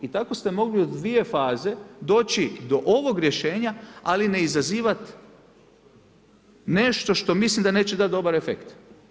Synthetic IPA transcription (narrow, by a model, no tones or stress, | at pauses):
it̪ako̞st̪e̞mo̞ɡliod̪ʋie̞faːze̞d̪o̞ːt͡ɕid̪o̞ʔo̞ʋo̞ɡɾje̞ʃe̞ːɲaaline̞izaziːʋat̪ | ne̞ʃt̪o̞ʃt̪o̞mislimd̪ane̞ːt͡ɕed̪at̪̚d̪o̞baɾefḛkt̪